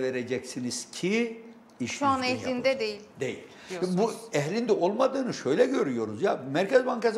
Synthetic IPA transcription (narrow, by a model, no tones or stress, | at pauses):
veɾed͡ʒɛcsiniz̥cʰi | iʃuanɛhlind̪ɛd̪ejilʲd̪ejḭlʲbuɛɦlʲind̪ɛo̞lˠmad̪ɯːnɯʃø̞jlʲɛɟø̞ɾyjo̞ɾuzjamæɾcʰɛzbaŋkas